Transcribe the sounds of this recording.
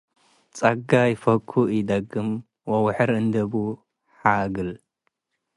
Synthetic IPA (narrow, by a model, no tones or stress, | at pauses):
t͡sʼɐɡajɪfɐkʰːuɨd̪ɐɡɨm | wɐwħɨɾɨnd̪ɐbu | ħaɡɨl